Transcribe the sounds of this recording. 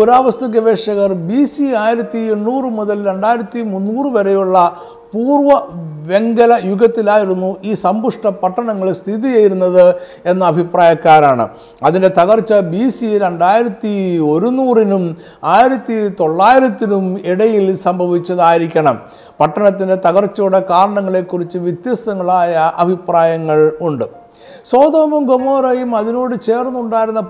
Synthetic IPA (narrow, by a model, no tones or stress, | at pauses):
uɾaːʋɐst̪ɐɡɐʋeːʂɐɣɐrbisiaːjiɾɐt̪ːienːuːrɨmuðɐlɾe̞ɳɖaːjiɾɐt̪ːimunːuːrɨʋɐɾejuɭːɐ | puːrʋɐʋe̞ŋɡɐlɐjuɡɐt̪ːilaːjiɾunːuʔiːsɐmbuʂʈɐpɐʈːɐɳɐŋːɐɭst̪ʰiðijajiɾunːɐðɨ | e̞nːɐːbʱipraːjɐkːaːɾaːɳɨ̰ | ɐðinde̞t̪ɐɣɐrt͡ɕːɐbisiɾe̞ɳɖaːjiɾɐt̪ːio̞ɾunuːrinum | aːjiɾɐt̪ːit̪o̞ɭːaːjiɾɐt̪ːinumiɽɐjilsɐmbʱɐʋit͡ɕʲːɐðaːjiɾikʲːɐɳɐm | pɐʈːɐɳɐt̪ːinde̞t̪ɐɣɐrt͡ɕːoːɽe̞kaːɾɐɳɐŋːɐɭe̞ːkːurit͡ɕːɨʋjɐt̪jɐsɐŋːɐɭaːjɐʔɐbʱipraːjɐŋːɐɭuɳɖɨ | so̞ːd̪oːmɐmɡomo̞ːɾɐjumɐðino̞ːɽɨt͡ɕe̞ːrnːuuɳɖaːjiɾunːɐ